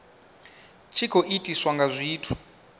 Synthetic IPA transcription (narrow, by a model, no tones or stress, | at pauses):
t͡ʃʰikʰoʔitʼiswaŋɡazʷiːtʰu̥